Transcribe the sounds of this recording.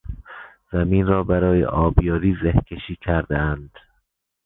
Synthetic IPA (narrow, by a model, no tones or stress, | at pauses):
z̥æmiːnrɒːbæɾɒːjḛʔɒːbjɒːɾiːzehkʲʰeʃiːkʲʰæɾd̪eænd̪̥